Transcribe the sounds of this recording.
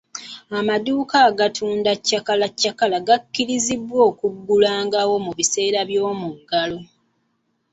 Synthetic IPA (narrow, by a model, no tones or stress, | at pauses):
amaduːkaːɡatʰuːndacːakalacːakalaɡakːiɾizibwo̞ːkuɡːulaːŋɡawo̞muβise̞ːɾaβjo̞ːmuɡːalo̞